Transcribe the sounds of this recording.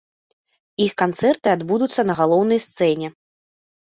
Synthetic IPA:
ixkant̪sɛrt̪ɨad̪bud̪ut̪sːɐnɐɣalˠɔwnɐjst̪sɛnʲɛ

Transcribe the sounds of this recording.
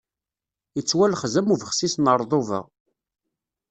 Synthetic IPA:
jət͡sːwælχzæmuvəχsisnəɾˤðˤovə̰ʁ

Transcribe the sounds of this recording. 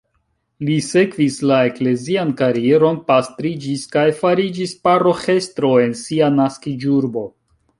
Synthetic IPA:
lise̞kvislae̞kle̞ziankaɾie̞ɾo̞npastɾid͡ʒiskajfaɾid͡ʒispaɾo̞xe̞stɾo̞e̞nsianaskid͡ʒuɾbo̞

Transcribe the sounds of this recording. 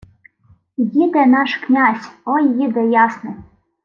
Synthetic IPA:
jid̪ɛnɑʂknʲasʲɔjjid̪ɛjɑsnɨ

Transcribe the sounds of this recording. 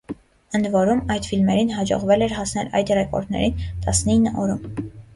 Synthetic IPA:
ənd̪vɔɾumɑjd̪filmɛɾinɦɑd͡ʒɔ̰ʁvɛlɛɾhɑsnɛlɑ̰jd̪rɛkɔ̰ɾt̪nɛ̰ɾint̪ɑsninːəʔɔɾum

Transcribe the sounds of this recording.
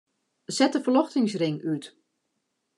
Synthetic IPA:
zɛt̚dəfərlɔxtɪŋsrɪŋyt

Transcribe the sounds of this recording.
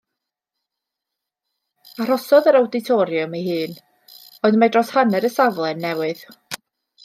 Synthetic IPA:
ar̥ɔsɔðəɾawdɪtʰɔɾjʊmeɦɨːn | ɔɨðmadrɔshanɛɾəsavlˠɛnːɛwɨð

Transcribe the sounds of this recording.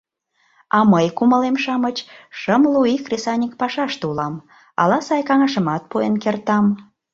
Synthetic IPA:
ɑməjkuməlemʃɑmət͡ɕʃəmluixrʲesɑnʲikpɑʃɑʃt̪ulɑm | ɑ̰lɑsɑjkɑŋɑʃəmɑt̪̚puenkert̪ɑm

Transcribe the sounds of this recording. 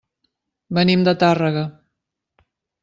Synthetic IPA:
bənimd̪ət̪arəɣə

